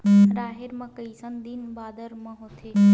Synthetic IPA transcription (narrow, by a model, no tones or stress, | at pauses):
ɾaːɦeɾmãkəisə̃nd̪inbaːd̪əɾmɐ̃ɦot̪ʰe